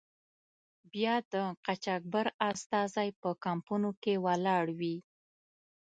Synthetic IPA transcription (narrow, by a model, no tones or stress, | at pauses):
bjɑd̪əqat͡ʃɑk̚baɾast̪ɑzajpəkampunokewalɑɽwi